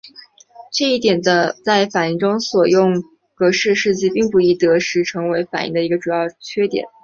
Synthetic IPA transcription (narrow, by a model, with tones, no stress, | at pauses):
ʈ͡ʂɤ˥˧i˥˩t̪jɛ˨˩nd̪ə˦t͡sa˥˩ɪfa˨˩ni˥˩ŋʈ͡ʂʊ˥ŋswɔ˨˩jʊ˥˩ŋ | kɤ˧˥ʂɻ̩˥˧ʂɻ̩˥˧t͡ɕi˥˧pi˥˩ŋpu˥˩i˥˩t̪ɤ˧˥ʂɻ̩˧˥ʈ͡ʂʰɤ˧˥ŋwe˧˥ɪfa˨˩nḭ˥˧ŋd̪ə˧i˧˥ɡə˧ʈ͡ʂu˨˩jɑ˥˩ʊt͡ɕʰɥɛ˥t̪jɛ̰˨˩˦n